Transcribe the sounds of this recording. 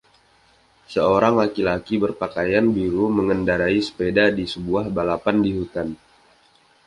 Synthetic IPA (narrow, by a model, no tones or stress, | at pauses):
səoɾaŋlakilakibərpakajanbiɾuməŋəndaɾaisə̥pedadisəbuahbalapandiɦut̪an